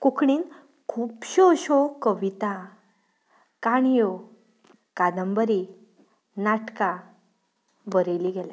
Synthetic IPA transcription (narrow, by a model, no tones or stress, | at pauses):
kukɳiːn | kʰuːpɕoɕokəʋit̪a | kaɽ̃jo | kad̪əmbəɾi | naʈka | bəɾeliɡɛla